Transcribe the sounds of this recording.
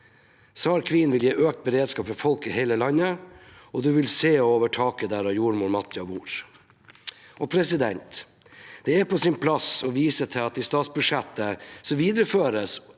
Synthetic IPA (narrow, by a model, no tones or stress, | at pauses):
sɑːɾkʰʋɪnʋɪljeːʔøːk̚t̪̚bəɾeːd̪skɑːpmɛfɔlkɪhɛɪləlɑnːəɔd̪ʉʋɪlseːɔoːʋəʈʰɑːkəd̪æːɾɑjuːɾmuːɾmɑt̪ʰjɑbuːɾ | ɔpʰɾɛsɪd̪ɛ̰nt̪ | d̪̥ɛæpʰɔsɪnpʰlɑsɔʋiːsət̪ʰɪlɑt̪̚d̪ist̪ɑːt̪sbʉʂɛt̪ːəsɔmʋiːd̪ɾəføːɾəs